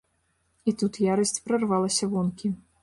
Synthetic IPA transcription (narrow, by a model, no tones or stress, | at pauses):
it̪ut̪jaɾɐsʲt͡sʲpɾɐrvalˠɐsʲɐvɔnkʲi